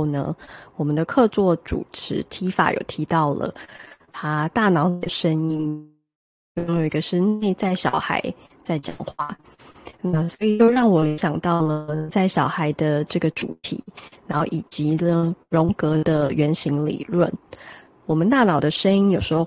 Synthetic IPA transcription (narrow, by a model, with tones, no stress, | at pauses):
o˥˩ʊnə̰˩wɔ˨˩mə˨˦nd̪ə˩kʰɤ˥˧t͡swɔ˥˩ʈ͡ʂṵ˨˩ʈ͡ʂʰɻ̩˧˥˦t̪ʰi˧˥fa̰˨˩jo̰˨˩ʊt̪ʰi˧˥t̪ɑ˥˩ʊlə̰˩t̪ʰa˥t̪a˥˩nɑ˨˥ʊn˩d̪ə˨ʂə˥ŋi˥n | t͡ɕo˥˧˥ŋjo˨˩i˧˥ɡə˧ʂə˥ne˥˧ɪt͡sa˥˩ɪɕjɑ˨˩ʊxa̰˧˥ɪ | t͡sa˥˩ɪt͡ɕjɑ̰˨˩ŋxwa˥˩ | nə˥˩swɔ˧˥i˨˩t͡ɕjo˥˧ʊɻɑ˥˩ŋwɔ˨˩li˧˦ɕjɑ˨˩ŋt̪ɑ˥˩ʊlə˩t͡sa˥˩ɪɕɑ˨˩ʊxa˧˥ɪd̪ə˧ʈ͡ʂɤ˥˩ɡə˩ʈ͡ʂṵ˨˩t̪ʰḭ˨˩˦na˧˦nxo˥˩ʊʔi˨˩t͡ɕi˧˥ə˧ɻʊ˧˥ŋkɤ˧˥d̪ə˨ɥɛ˧˥nɕi˧˥ŋlḭ˨˩lwə˥˨n | wɔ˨˩mə̃˨˦nt̪a˥˩nɑ˨˩ʊd̪ə˩ʂə˥ni˥njo˨˩ʊʂɻ̩˧˥xo˥˧˩ʊ